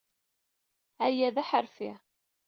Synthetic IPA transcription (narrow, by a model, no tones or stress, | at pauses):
æjæðæħəɾfḭ